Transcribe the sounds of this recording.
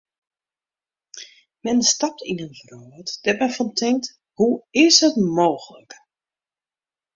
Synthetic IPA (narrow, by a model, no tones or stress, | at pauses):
mɛnstɑp̚tinənfroətd̥ɛtmɛnfɔntʰɪŋk̚t | huɪsətmoːxələk